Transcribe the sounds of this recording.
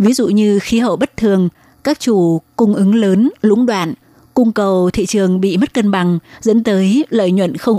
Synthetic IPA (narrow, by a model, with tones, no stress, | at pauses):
vi˨˦zṵ˧˨ɲɨ˧xi˨˦ɦə̰˧˩˨wɓə˦˥t̚t̪ʰɨ˨˩əŋ | kaː˦˥k̚t͡ɕu˧˩kʊ˧ŋ͡mʔɨ˨˦ŋləː˨˦nlʊ̰˧˥ŋ͡mɗwa̰ː˧˨n | kʊ˧ŋ͡mkə˨˩wt̪ʰḭ˧˨t͡ɕɨ˨˩əŋɓḭ˧˨mə˦˥t̚kə˧nɓa˨˩ŋzə̰˧˥nt̪əː˨˦jlə̰ː˧˨jɲwə̰˧˨nxə˧wŋ͡m